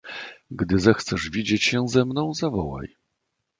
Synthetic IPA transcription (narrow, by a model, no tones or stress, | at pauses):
ɡd̪ɘzɛxt̪sɛʐvʲid͡ʑet͡ɕɕɛwzɛmnɔ̃w̃zavɔwa̰j